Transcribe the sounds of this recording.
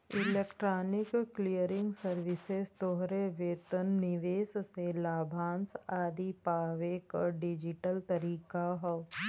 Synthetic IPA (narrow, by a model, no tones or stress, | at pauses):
ɪleːkʈɾaːnɪkklijəɾɪ̃ŋɡsəɾʋɪsest̪oːɦɾeʋeːt̪ənːɪʋeːsselaːbʱãːnsaːd̪ipaːʋekaɖɪd͡ʒɪʈəlt̪ɐɾiːkaɦɔ